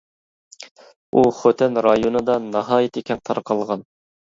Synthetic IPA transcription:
ʔuχøt̪ʰɛnɾɑjonɨd̪ɑnɑɦɑːjɪt̪ʰekʲʰɛnt̪ʰɑɾqʰɑlˠʁɑn

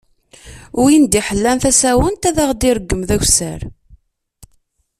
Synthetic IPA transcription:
ʊɾjind̪iħəlːænθæsæwənt̪æðaʁd̪iɾəɡːəmðæçʷsə̰ɾ

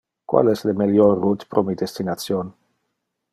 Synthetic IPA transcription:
kwa̰lɛslemeljɔrːut̪pɾomid̪est̪inat̪t͡sjon

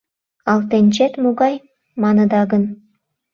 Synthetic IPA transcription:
ɑlt̪enʲt͡ɕet̪muɣɑj | mɑnəd̪ɑɣən

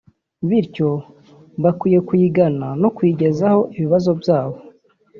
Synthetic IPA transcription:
βiɾco̞ | βakwiːje̞kwiːɡanano̞kwiːɟe̞zaho̞ʔiβiβazo̞bjaːβo̞

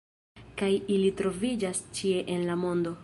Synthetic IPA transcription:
kajilitɾo̞vid͡ʒast͡ʃie̞ʔenlamo̞ndo̞

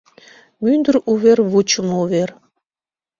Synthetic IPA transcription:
mynd̪əɾuβerβut͡ɕəmuβer

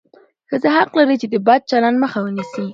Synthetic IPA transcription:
xəzaɦaqlaɾəjt͡ʃed̪əbɑd̪̚t͡ʃalandməxawənisi

